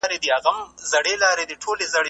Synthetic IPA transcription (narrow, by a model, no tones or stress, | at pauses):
ɾed̪iɐɣɐmzɐɽeːlaːɾed̪iʈʰoːlezɐɽe